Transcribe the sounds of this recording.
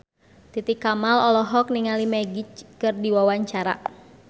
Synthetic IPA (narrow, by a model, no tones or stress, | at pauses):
t̪it̪ikːamalɔlɔɦɔk̚niŋalimɛɡit͡ʃkɨrdiwawaɲt͡ʃaɾa̰